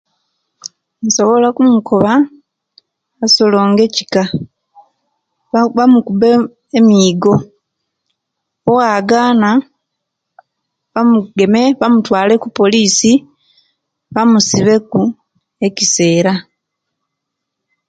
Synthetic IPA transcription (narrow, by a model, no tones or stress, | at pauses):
muso̞βo̞lakumukʰo̞βa | aso̞lo̞ːŋɡe̞ci̥ka | βamukube | emiːɡo̞ | oɣaɡaːna | βamuɡe̞meβamutwaːle̞kupo̞liːsi | βamusiβe̞ku | e̞cise̞ːɾa